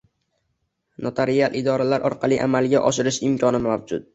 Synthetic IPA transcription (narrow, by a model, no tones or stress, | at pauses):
not̪ʰaɾialˠʔɪd̪ɒɾalaɾʔɒɾqʰɑlˠiʔa̰malˠɡʲaʔɒʃɪɾɪʃɪmkʲʰɒnɪmavd͡ʒʊt̪̚